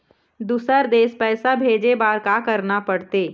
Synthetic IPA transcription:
d̪uːsəɾd̪eːspɛːsabʱeːd͡ʒebaːɾkakɐɾnapɐɽt̪eː

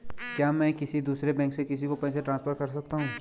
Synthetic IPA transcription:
kjaːmɛ̃ːkɪsid̪uːsɾebɛ̃ːŋksekɪsikopɛɦseʈɾãːnspʰəɾkɐɾsɐk̚t̪aɦũː

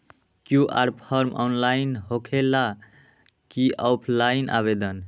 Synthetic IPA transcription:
kjuʔa̰ɾpʰʌɾmɔ̰nlainɦokʰela | kiʔawpʰlajnʔa̰βed̪ən

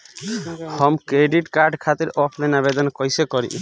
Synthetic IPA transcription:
hʌmkɾeɖiʈkaɾɖkʰat̪iɾɔpʰlenabed̪ɔnkɔjsekɔɾḭ̃ʔ

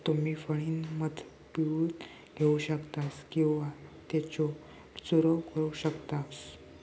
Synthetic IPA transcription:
t̪umiːfəɭiːnməd̪ʱ | piʋuːt̪ | ɡʱeuɕəkt̪askĩw̃ʋat̪jet͡ɕɔ | suɾəkəɾuɕəkt̪as

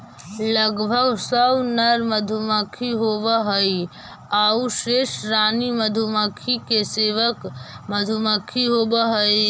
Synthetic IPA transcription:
ləɡbʱəɡsəbnɐɾməd̪ʱuməkʰiɦoːbəɦəi | auʃeːʃɾaːniməd̪ʱumakʰikeseːʋəkməd̪ʱuməkʰiɦoːbəɦəi

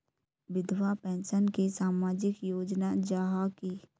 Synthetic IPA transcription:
ʋɪd̪ʋapɛ̃ːnsənkisaːmaːd͡ʒɪkjoːd͡ʒnad͡ʒaːɦaki

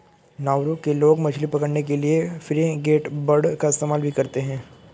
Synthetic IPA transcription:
naːʋɾukːeloːɡmɐt͡ʃʰlipɐkəɽnekeliefɪɾẽɡeːʈbɐɽkaɪst̪eːmaːlbʱikɐɾt̪eɦɛ̃ː

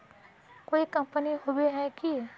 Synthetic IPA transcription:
koːikɐ̃mpəniɦobiɦɛki

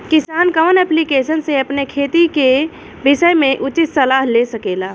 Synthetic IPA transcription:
kisaːnkəʋnɛplikesənseəpnekʰet̪ike | bisəjmeʔut͡ʃit̪səlaɦlesəkela

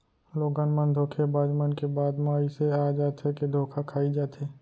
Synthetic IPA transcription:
loːɡãnmənd̪ʱoːkʰebaːd͡ʒmənkebaːd̪mãiseaːd͡ʒaːt̪ɦeked̪ʱoːkʰakʰaːid͡ʒaːt̪eː

